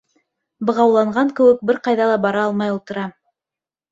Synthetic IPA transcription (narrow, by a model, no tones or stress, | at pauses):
bɤ̆ʁɑwlˠɑɴɢɑŋkɘ̆wɘk̚bɘɾqɑjðɑlˠɑbɑɾɑɑlˠmɑjŭlˠt̪ɤ̆ɾɑ